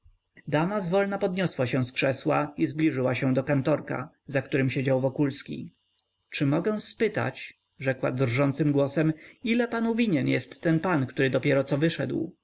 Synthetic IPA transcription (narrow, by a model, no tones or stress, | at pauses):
d̪amazvɔlnapɔd̪ɲɔswaɕɛ̃w̃skʂɛswa̰izblʲiʐɘwaɕɛ̃d̪ɔkant̪ɔɾka̰ | zakt̪uɾɘmɕed͡ʑawvɔkulskʲḭ | t͡ʂɘmɔɡɛ̃w̃spɘt̪a̰t͡ɕ | ʐɛkwa̰d̪rʐɔnt̪sɘmɡwɔsɛmilɛpanuvʲiɲɛnjɛst̪ːɛnpankt̪uɾɘd̪ɔpʲjɛɾɔt̪sɔvɘʂɛd̪w